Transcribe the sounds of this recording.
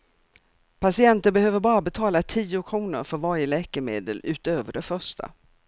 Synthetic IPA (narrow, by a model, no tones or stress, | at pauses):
pʰasɪɛnt̪ənbɛhøːvəɾbɑːɾabɛt̪ʰɑːlat̪ʰiːʊkʰɾuːnə̰ɾfœɾvaɾjəlɛːkəɾmḛːd̪ə̰lʉ̟ːt̪øːvəɖɛfœʂʈʰa̰